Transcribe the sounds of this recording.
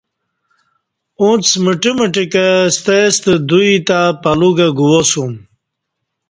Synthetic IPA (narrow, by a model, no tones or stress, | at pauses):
ũt͡sməʈiməʈikəst̪est̪əd̪uit̪apɐluɡɐɡuwosum